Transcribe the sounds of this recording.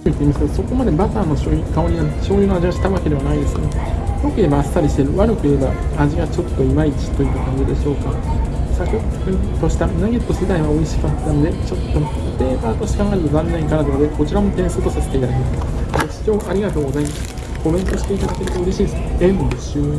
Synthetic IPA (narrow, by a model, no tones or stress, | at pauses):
it̪ːe̞iːmasɨ̥ked̪oso̞ko̞mad̪e̞bak̪aːno̞ɕoːikaoɲʲinaɕo̞ːɲɯːno̞aʑiɡaɕi̥t̪aβake̞d̪e̞βanaid̪e̞sɨɡajokɯ̟e̞baːsːaɾʲiɕi̥t̪eɾɯ̟βaɾɯ̟kɯ̟ebaːʑiɡat͡ɕo̞t̪ːo̞imait͡ɕi̥t̪o̞it̪ːakãɲ̟d͡ʑid̪e̞ɕo̞ːkasakɯkɯ̃t̪o̞ɕi̥t̪anaɡet̪ːose̞d̪aiβao̞iɕi̥kat̪ːano̞d̪e̞t͡ɕo̞t̪ːo̞ | t̪e̞ːkaːt̪o̞ɕi̥kaŋaɾt̪od̪ãnenaĩkanad̪onod̪eko̞t͡ɕiɾamo̞t̪ẽ̞ɰ̃sɨːt̪o̞saset̪e̞it̪ad̪akemaɡeɕi̥t͡ɕo̞ːʔaɾʲiɡat̪o̞ːɡo̞zaimasɨ̥ | ko̞bẽ̞nt̪o̞ɕi̥t̪e̞it̪ad̪ake̞ɾe̞baɯ̟ɾe̞ɕiːdseɯnod̪eso